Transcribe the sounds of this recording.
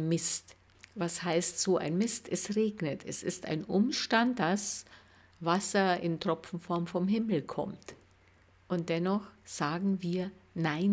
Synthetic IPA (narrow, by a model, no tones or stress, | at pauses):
mɪst | vashaɪstz̥oːʔa̰ɪnmɪstɛstʁeːɡnətʰɛsɪsta̰ɪnʔʊmʃtant̚d̥as | vasɐɪntʁ̥ɔpp͡fn̩fɔɐmfɔmɦɪml̩kʰɔ̰mt | ʔʊnt̚d̥ɛnɔχz̥aːɡŋ̩viːɐnaɪn